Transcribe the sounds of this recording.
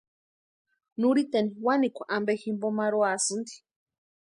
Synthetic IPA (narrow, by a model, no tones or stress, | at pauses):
nuɾit̪eniwanikʷaʔambeximbomaɾoasɨnd̪i̥